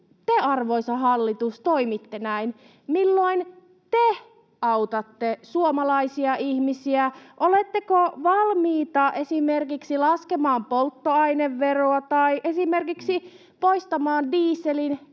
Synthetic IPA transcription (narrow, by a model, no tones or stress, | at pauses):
t̪eɑrʋoisɑɦɑlːit̪ust̪oimit̪ːenæin | milːoin | t̪e | ɑwt̪ɑt̪ːesuomɑlɑisiɑʔihmisiæʔolet̪ːekoʋɑlmiːt̪ɑʔesimerkiksilɑskemɑːmpolt̪ːoɑineʋːeroɑt̪ɑiʔesimerkiksi | poist̪ɑmɑːndiːsːelin